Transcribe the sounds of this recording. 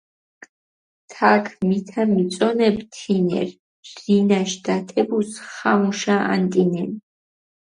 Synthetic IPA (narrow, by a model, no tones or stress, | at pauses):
t̪ʰakʰmit̪ʰamit̪sʼɔnɛbt̪ʰinɛ̰ɾ | z̥inaʃd̪̥at̪ʰɛbusχamuʃaʔa̰nt̪ʼinɛn